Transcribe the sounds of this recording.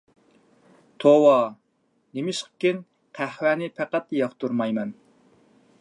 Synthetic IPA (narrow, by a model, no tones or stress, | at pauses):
t̪ʰowɑ | nemɪʃqʰkʲen | qʰæhwæːnɪpʰæqæt̪jɑχt̪uɾmɑjmɛn